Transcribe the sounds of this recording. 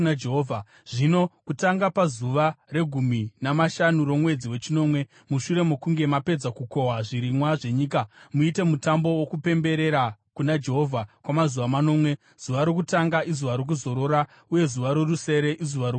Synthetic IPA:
aeɦoːvʱa | ʐ̥ino̞kutaŋɡapazuʋare̞ɡʱuminamaʃanuɾo̞mwe̞d͡ziwe̞t͡ʃino̞ːmwe̞ | muʃuɾe̞mokuŋɡe̞mape̞d͡zakuko̞ɦaʐiɾimwaʐe̞ɲiːkamuite̞mutambo̞wokupe̞mbe̞ɾe̞ɾakunad͡ʒe̞ɦo̞vʱakwamazuʋamano̞ːmwe̞ | z̥uʋaɾokutaŋɡaʔizuʋaɾok̬uzo̞ɾo̞ɾa | uje̞zuʋaɾoruse̞ɾeʔizuʋaɾo

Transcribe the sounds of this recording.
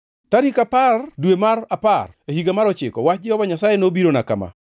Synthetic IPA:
taɾikapardwemaɾaparehiɡamaɾɔt͡ʃɪ̰kɔ̰wat͡ʃd͡ʒɛhɔvaɲasajenobiɾonaka̰ma̰

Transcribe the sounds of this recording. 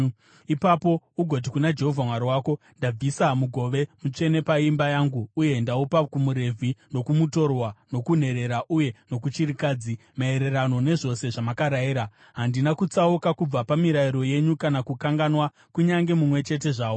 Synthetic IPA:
ipapo̞uɡʱo̞t̬ikunad͡ʒe̞ɦo̞vʱamwaɾiwaːko̞ | ndab͡visamuɡʱo̞ʋe̞mut͡ʂe̞ne̞paimbajaŋɡuːje̞ndaupakumuɾe̞vʱino̞kumuto̞rwano̞kun̤e̞ɾe̞ɾaʔuje̞no̞kut͡ʃiɾikaːd͡zi | mae̞ɾe̞ɾano̞ne̞ʐo̞se̞ʐamakaɾajiɾa | ɦandinakut͡saukakub͡vapamiɾaiɾo̞je̞ɲukanakukaŋɡanwa | kuɲaŋɡe̞mumwe̞t͡ʃe̞t̬e̞ʐaːwo

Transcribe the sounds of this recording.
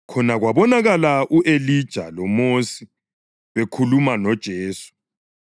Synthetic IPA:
kʰɔnaɣwaβɔnaɣalaʔuʔelid̥ʒ̥ʱalɔmosi | βekʰulumanɔd̥ʒ̥ʱeːsu̥

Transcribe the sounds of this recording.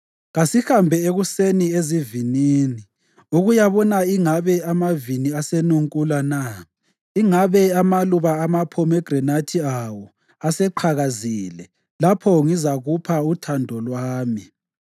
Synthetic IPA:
ɣasihambʱɛeɣusenieziviniːni | uɣujaβɔnaiŋaβɛamaviniasenuŋkʼulana | iŋaβɛamaluβaːmapʰɔmɛɡ̥rɛnatʰiawɔ | asɛǃʰaɣaziːlɛ | lapʰɔŋizaɣupʰautʰandʱɔlwaːmi

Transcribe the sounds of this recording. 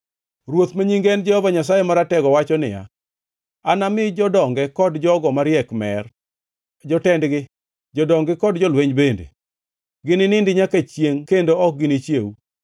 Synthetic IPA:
ɾwot̪maɲiŋɡɛnd͡ʒɛhɔvaɲas̬ajɛmaɾatɛɡɔwat͡ʃɔnɪja̰ | anamɪd͡ʒɔdɔŋɡɛkɔdd͡ʒɔɡɔmaɾjɛkmɛr | d͡ʒɔtɛndɡɪ | d͡ʒɔdɔŋɡɪkɔdd͡ʒɔlweɲbendḛ | ɡɪnɪnɪndɪɲakat͡ʃjeŋkendoɔk̚ɡɪnɪt͡ʃjewu

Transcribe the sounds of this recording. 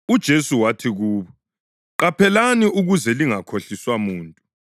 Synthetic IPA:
ud̥ʒ̥ʱesuwatʰiɣuːβɔ | ɣapʰɛlaniʔuɣuzɛliŋakʰoɬiswamuːntʼu

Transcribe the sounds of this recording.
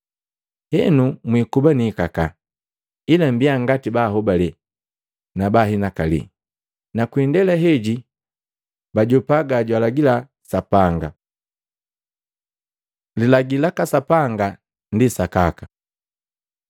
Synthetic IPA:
hɛnumwikubaniːkaka | ilambiaŋɡatibaːɦɔbalɛ | nabaɦinakalḭ | nakwindɛlaɦɛɟi | baɟɔpaɡaɟwalaɡila | sapaŋɡa̰ | lilaɡilakasapaŋɡa | ndisakakḁ

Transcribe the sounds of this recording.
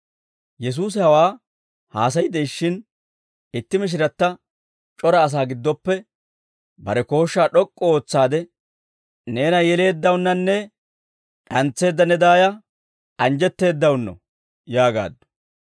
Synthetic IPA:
jɛs̬uːs̬ɪhɐwaː | haːs̬ɐjɪd̪ɛjʃːɪn | ɪt̪ːɪmɪʃ̬ɪɾɐt̪ːɐ | t͡ʃʼɔɾɐːs̬aːɡɪd̪ːɔpːɛ | bɐɾɛko̞ːʃːaːɗɔkʼːɔo̞ːt͡sːaːd̪ɛ | neːnɐjɛle̞ːd̪ːɐwʊnːɐnːɛ | ɗɐnt͡sːe̞ːd̪ːɐnɛd̪aːjɐ | ʔɐnd͡ʒɛt̪ːe̞ːd̪ːɐwʊnːɔ̰ | jaːɡa̰ːd̪ːɔ̥

